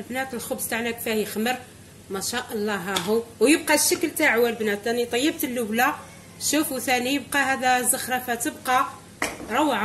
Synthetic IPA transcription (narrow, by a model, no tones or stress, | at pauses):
lbnæt̪əlxʊbst̪aʕnækfæhjxməɾ | mæʃæʔɑlˤːɑɦæɦuwjəb̚qɑʃːəkəlt̪aʕwælbnæt̪ʔænit̪ˤɑjːəb̚t̪əlːʊwla | ʃufuθænijəb̚qɑhæd̪æzːəxɾˤɑfæt̪əbqɑ | ɾˤɑwʕa